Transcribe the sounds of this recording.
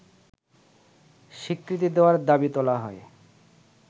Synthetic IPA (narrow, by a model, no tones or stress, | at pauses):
ʃikɾit̪̬id̪eoaɾd̪abit̪ɔlaɦɔe